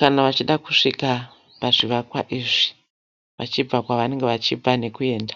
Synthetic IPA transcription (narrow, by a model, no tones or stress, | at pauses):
kanaʋat͡ʃiɗakuʂika | paʐiʋakwa̰ʔiʐi̥ | ʋa̰t͡ʃib͡vakwaʋane̞ŋɡeʋat͡ʃib͡vane̞kue̞ːndḁ